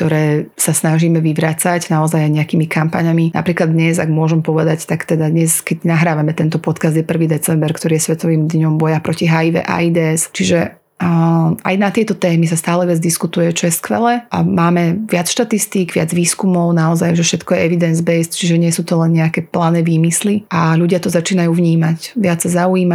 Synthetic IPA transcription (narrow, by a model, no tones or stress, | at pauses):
kt̪ɔɾɛːsasnaʒiːmɛʋiʋɾat͡saɟnaɔzajajɲɛakiːmikampaɲamina̰pɾiːklad̪ɲɛza̰ɡmʊɔʒɛmpɔʋɛd̪act̪akt̪ɛd̪ad̪ɲɛskɛɟnaɦɾaːʋamɛt̪ɛnt̪ɔpɔt̪kazd̪jɛpr̩ʋiːd̪ɛt͡sɛmbɛɾkt̪ɔɾiːjɛsʋɛt̪ɔʋiːmd̪ɲɔmbɔjapɾɔciɦaiʋɛ̰ʔa̰id̪ɛɛst͡ʃiʒɛ | a̰jnat̪ɪɛt̪ɔt̪ɛːmis̬ast̪aːlɛʋɪad͡zd̪iskut̪ujɛt͡ʃɔjɛskʋɛ̰lɛʔamaːmɛʋɪat͡sʃt̪at̪ist̪iːɡʋɪad͡zʋiːskumɔʊnaɔzajʒɛʃɛt̪kɔjɛɛʋid̪ɛnzbɛjst̪t͡ʃiʒɛɲɪɛsuːt̪ɔlɛnɲɛakɛplaːnɛʋiːmisliʔaluɟɪat̪ɔzat͡ʃiːnajuːvɲiːmacʋɪat͡sːazauiːma